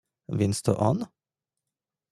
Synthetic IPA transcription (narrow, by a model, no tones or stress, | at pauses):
ʋɪnst̪ə̰ʔɑn